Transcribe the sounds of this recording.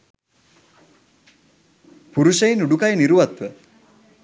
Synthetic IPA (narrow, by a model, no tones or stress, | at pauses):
puɾuʃəinuɖukajniɾuʋat̪ʋə